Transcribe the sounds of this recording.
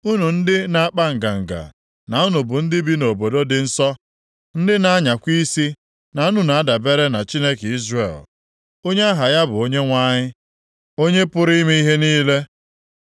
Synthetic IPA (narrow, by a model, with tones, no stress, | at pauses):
u˦nu˨n̩˦dɪ˦na˨a˦k͡pa˦ŋ̩˨ɡa˨ŋ̩˨ɡa̰˨ | na˨u˦nu˨bʊ˨n̩˦dɪ˦bi˦no˨bo˨do˦dɪ˨n̩˦sɔ˦ | n̩˦dɪ˦na˦a˦ɲa˨kʷi˦si˦ | na˨u˦nu˨na˨a˦da˨be˦ɾe˦na˨t͡ʃi˦ne˦ke˨i˦zrḛ˦˨l | o˦ɲe˦a˦ɦa˨ja˦bʊ˨o˦ɲe˦ŋʷa˦ɲɪ˦ | o˦ɲe˦pʊ˦ɾi˦i˦mi˦i˦ɦe˦niː˦le˦